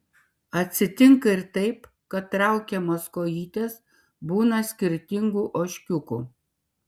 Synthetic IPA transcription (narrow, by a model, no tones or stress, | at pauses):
ɐt̪ʲsʲɪt̪ʲɪŋkɐɪɾt̪ɐɪp | kɐt̪t̪ːɾɐˑʊkʲɛmɐskoːjiːt̪ʲeːs | buːnɐsʲkʲɪɾʲt̪ʲɪŋɡuːʔoːʃʲkʲʊkuː